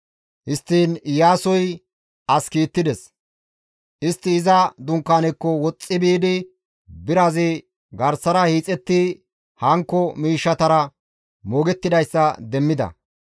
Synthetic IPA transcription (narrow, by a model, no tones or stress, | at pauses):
hɪst̪ːiːnjaːsɔj | ɐskiːt̪ːɪd̪ɛs | ʔɪst̪ːɪːzɐd̪ʊŋkːaːnɛkːɔwɔt͡sʼːɪbiːd̪ɪ | bɪɾɐzɪ | ɡɐɾsɐɾɐhiːt͡sʼɛt̪ːɪ | hɐŋkːɔmiːʃːɐt̪ɐɾɐ | moːɡɛt̪ːɪd̪ɐjsːɐd̪ɛmːɪd̪ɐ̰